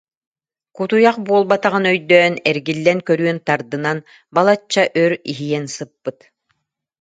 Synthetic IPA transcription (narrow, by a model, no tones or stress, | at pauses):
kut̪ujaqbuɔlˠbat̪aʁɯnœjd̪œːnɛɾɡilːɛnkœɾyœnt̪aɾd̪ɯnan | balˠat͡ɕːaʔœɾiɦijɛnsɯpːɯt̪